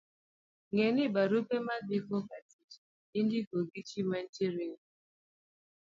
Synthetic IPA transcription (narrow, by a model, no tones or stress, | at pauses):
ŋenɪbaɾupemadikɔkatid͡ʒi | in̩dɪkoɡit͡ʃiman̩teɾi